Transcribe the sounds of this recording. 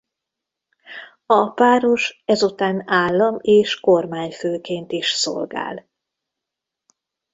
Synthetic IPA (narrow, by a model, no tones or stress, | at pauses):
ɒpaːɾoʃɛzut̪aːnaːlːɒmeːʃkormaːɲføːkeːnt̪iʃso̰lɡa̰ːl